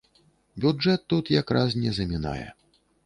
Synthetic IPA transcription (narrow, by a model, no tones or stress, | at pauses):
bʲud͡ʐɛt̪ːut̪jakɾasnʲɛzɐmʲina̰jɛ̰